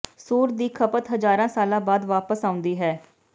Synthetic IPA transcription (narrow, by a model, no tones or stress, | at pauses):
soːɾd̪iːkʰəpət̪ɦəzaːɾãːsaːlãːbaːd̪ʋaːpəsãːʊ̃nd̪iːɦɛː